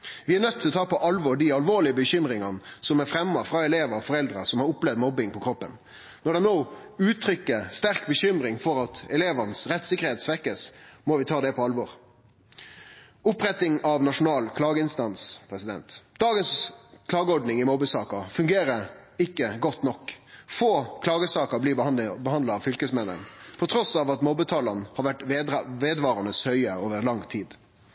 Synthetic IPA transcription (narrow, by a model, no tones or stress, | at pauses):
ʋɪæɾnœt̪ʰːɪlɔt̪ʰɑːpɔʔɑlʋɔɾɖ̪ɪɑlʋoːɭɪəbəçʏmɾɪŋɑnəsɔmæɾfɾɛmːɑfɾɑɛleːʋəfɔɾɛld̪ɾɑsɔmhɑɾʊplɛʋd̪mɔbːɪŋpʰɔkʰɾɔpːə̰n | nɔɾɖ̪ɛnoːʉːt̪ʰɾʏkːəst̪æɾkbəɕʏmɾɪŋfɔɾɑt̪ɛleːʋənəsɾɛt̪ːsɪkːəʁheːt̪sʋɛkːəsmɔʋɪt̪ʰɑːd̪ɛpʰɔɑlʋɔɾ | ʊpɾɛt̪ɪŋɑʋnɑʂʊnɑːlkʰlɑːɡəɪnst̪ɑnspʰɾɛsɪd̪ɛnt̪d̪ɑːɡənskʰlɑːɡəɔɖnɪŋɪmɔbəsɑːkɑfʉŋɡeːɾəɪkːəɡɔt̪nɔkːfoːkʰlɑːɡəsɑːkəblibəhɑnd̪ɑɑʋfʏlkəsmɛnːə̰npʰɔt̪ʰɾɔsɑːʋɑt̪mɔbət̪ʰɑːlɑnhɑɾʋæʈʋeːd̪ʋɑːɾɑnəshœʏəoːʋəʁlɑŋt̪ʰiːd̪